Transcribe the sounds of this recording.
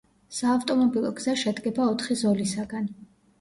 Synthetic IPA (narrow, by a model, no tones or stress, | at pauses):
saːft̪ʼɔmɔbilˠɔ̰ɡz̥aʃɛd̪ɡɛbaɔt̪ʰχizɔlisaɡan